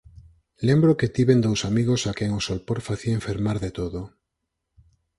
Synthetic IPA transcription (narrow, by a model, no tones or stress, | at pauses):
lembɾoket̪iβend̪owsamiɣosakeŋosolpoɾfaθiaeɱfeɾmaɾðet̪oðo